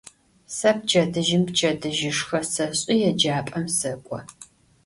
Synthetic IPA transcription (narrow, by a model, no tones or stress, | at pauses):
sɐp̚t͡ʃʰɐdɨʒɪmpt͡ʃʰʼɐdɨʒɪʂxɐsɐɕʼɪjɛd͡ʒaːpʼɐmsɐkʷʼɔ